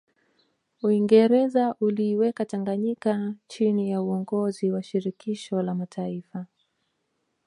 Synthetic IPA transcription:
uiŋɡɛɾɛzaʔuliːwɛkataŋɡaɲikat͡ʃinijauɔŋɡɔziwaʃiɾikiʃɔlamatʰaifa

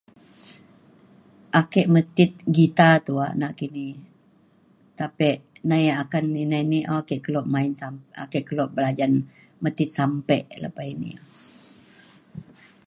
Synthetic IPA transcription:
ʔakɛʔmət̪it̪̚ɡit̪at̪uaʔnaʔkini | t̪apɛʔnajaakaninainiʔɔkɛʔkəlɔʔ̚maɪnsaa̰kɛʔkəlɔʔ̚bəlad͡ʒan | mət̪ɪt̪̚sampɛʔlə̰painḭo

